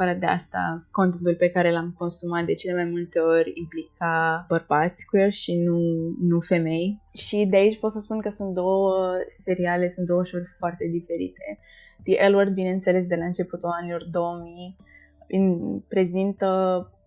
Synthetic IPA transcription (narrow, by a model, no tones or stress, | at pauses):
faɾad̪ea̰st̪a̰kont̪ent̪ulpe̞kaɾe̞lamko̞nsumat̪̚d̪e̞t͡ʃe̞le̞majmult̪e̞o̞ɾʲimplikʰab̥ərbat̪sʲkujerʲʃinunufe̞me̞jʃid̪eait͡ʃʲpot̪səspunkəsunt̪̚d̪o̞wəse̞ɾiale̞sunt̪d̪o̞wəʃorʲfoart̪e̞d̪ife̞ɾḭt̪e̞ | d̪̥iʔeluard̪̚bine̞ɨnt̪se̞le̞s̬d̪e̞laɨnt͡ʃe̞put̪ulanilo̞rd̪o̞wəmi | inpɾe̞zint̪ə